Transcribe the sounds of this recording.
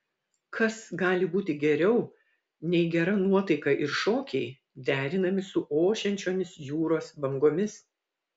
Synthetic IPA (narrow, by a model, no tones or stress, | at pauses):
kʰɐsɡɑːlʲɪbuːt̪ʲɪɡʲɛɾʲɛʊ | nʲɛɪɡʲɛɾɐnuɔt̪ɐɪkɐʔɪɾʃoːkʲɛɪ | d̪ʲæːɾʲɪnɐmʲɪsʊʔoːʃʲɛnʲt͡ʃʲoːmʲɪsjuːɾoːsbɐŋɡoːmʲɪs